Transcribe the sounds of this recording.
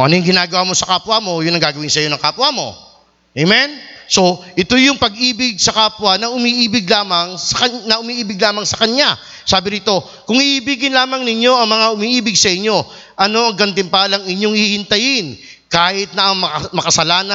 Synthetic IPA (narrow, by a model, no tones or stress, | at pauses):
oʔɐ̰nojŋɡɪnaːɡɐwamo̞sɐkaːpwamo̞jʊŋnɐŋɡaːɡɐwɪnsɐjo̞nɐŋkaːpwamo̞̰ | ʔejmɛnso̞ʔɪt̪ojʊŋpɐɡʔiːbɪɡ̚sɐkaːpwɐnɐʔʊmiʔiːbɪɡlaːmɐŋsɐkɐnɐʔʊmiːʔiːbɪɡ̚laːmɐŋsɐkɐɲa | saːbɪɾit̪o̞ | kʊŋhɪʔiːbiɡɪnlaːmɐŋnɪɲo̞ʔɐŋmɐŋaʔʊmiʔiːbɪɡ̚sɐʔɪɲːo̞ | ʔɐno̞ʔɐŋɡɐnt̪ɪmpalɐŋɪɲo̞ŋhiːhɪnt̪ɐjɪn | kaːhɪt̪̚nɐʔɐŋɐmɐkɐsɐlaːnɐ